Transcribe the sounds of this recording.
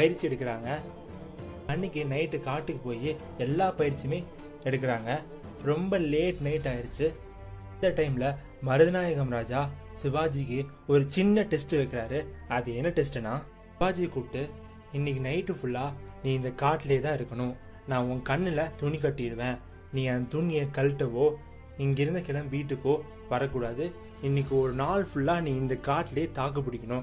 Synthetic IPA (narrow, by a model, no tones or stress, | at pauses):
pɐjɪɾt͡ʃːɪɛɽɯkːɪɾaːŋɡɐ | ɐɳːɪkːɯnɐɪʈːɯkaːʈːɯkːɯpoːji | ɛlːaːpɐjɪɾt͡ʃːimeː | ɛɽɯk̬ːɪɾaːŋɡɐ | ɾɔmbɐleːʈnɐɪʈːaːjɪɾɯt͡ʃːɯ | ɪnd̪ɐʈɐɪmlɐ | mɐɾɯðɪnaːjɐɣɐmɾaːd͡ʒaː | sɪbaːd͡ʒikːɯ | ɔɾɯt͡ʃɪnːɐʈɛsʈɯʋɐɪkːɪɾaːɾɯɐðɯɛnːɐʈɛsʈɯnãː | ɪaːd͡ʒikuːʈːɯ | ɪnːɪk̬ːɯnɐɪʈːɯfʊɭːaːnĩːɪnd̪ɐkaːʈːɪleːt̪ãːɪɾɯkːɐɳʊ̃ | nãːʊ̃ŋkɐnːɪlɐt̪ʊɳik̬ɐʈːɪɪɽɯʋẽː | nĩːɐnd̪t̪ʊnːɪjɐkɐlʈːɐʋoː | ɪŋɡɪɾɯnd̪ɐkɪɽɐmʋiːʈːɯkːoː | ʋɐɾɐkːuːɽaːðɯ | ɪnːɪk̬ːɯɔɾɯnaːɭfʊɭːaːnĩːɪnd̪ɐkaːʈːɪleːt̪aːkɐp̬ːʊɽɪkʲːɐnʊ̃